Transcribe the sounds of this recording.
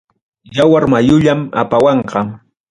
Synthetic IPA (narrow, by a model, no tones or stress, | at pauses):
jawaɾmajʊʎama̰pawɑɴqɑ